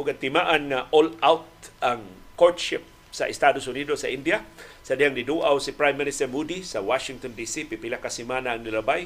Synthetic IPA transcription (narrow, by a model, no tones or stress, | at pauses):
ʔʊɡat̪ɪmaʔanŋaʔolawt̪̚ʔaŋkot̪ʃɪp̚ | sa̰ʔɪst̪adosʊnidosaʔindiasadiaŋdiduʔawsipɾajmːinɪst̪ɛɾmudisawaʃɪŋt̪ondisipipilakːasimanaːŋnilabaj